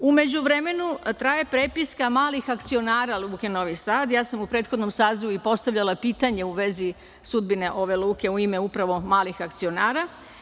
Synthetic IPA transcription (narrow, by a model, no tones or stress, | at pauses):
ume̞d͡ʑuʋɾe̞me̞nut̪ɾaːje̞pɾepiskamaːlixakt̪sio̞naːɾaluːkeno̞ʋisaːd̪jaːsamupɾe̞ːt̪xo̞d̪no̞msaːziʋuipo̞st̪aʋʎalˠapiːt̪aɲe̞uʋe̞zi | sud̪̚bine̞ʔo̞ʋe̞luːke̞uime̞upɾaʋo̞maːlixak̚t̪sio̞naːɾa